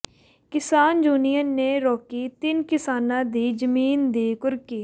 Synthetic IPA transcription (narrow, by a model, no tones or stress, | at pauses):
kɪsaːnd͡ʒuːnijəneːɾɔːkiːt̪ɪnkɪsaːnãːd̪iːd͡ʒəmiːnd̪iːkʊɾkiː